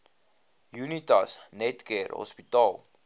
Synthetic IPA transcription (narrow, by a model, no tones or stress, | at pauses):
junitɐsnɛtkɛɾɦɔ̰spitɑːlˠ